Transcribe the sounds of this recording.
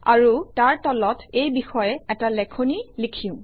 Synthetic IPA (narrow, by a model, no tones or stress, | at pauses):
a̰ɹutaɹtɔlɔtejbixɔjɛɛtalɛkʰonilikʰĩʊ̃